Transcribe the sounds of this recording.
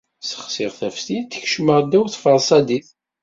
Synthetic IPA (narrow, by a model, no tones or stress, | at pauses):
sə̥χsɪʁθæfθit̪ːəçʃməʁˤd̪æwθfəʁˤsˤɑd̪iθ